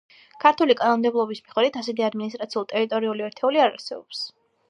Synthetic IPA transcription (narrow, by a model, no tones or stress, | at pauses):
kʰaɾt̪ʰulikʼanɔmd̪ɛblˠɔbismiχɛd̪it̪ʰasɛt̪ʰiad̪minist̪ʼɾat̪sʰiulˠt̪ʼɛɾit̪ʼɔɾiuliɛɾt̪ʰɛuliaɾa̰sɛbɔps